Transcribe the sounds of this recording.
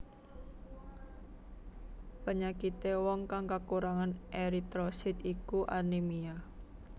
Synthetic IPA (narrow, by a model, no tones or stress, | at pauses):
pəɲakit̪ewɔŋkaŋkakuɾaŋanʔeɾit̪ɾɔsɪt̪ikuʔanimia